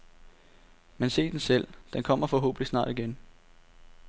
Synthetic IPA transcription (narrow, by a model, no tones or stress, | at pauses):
mense̝̰ːd̥ensel̰d̥enkʰɒ̽m̰ɐfɒ̽ɦo̰ːb̥əlisnɑ̰̈ːd̥iɡ̥en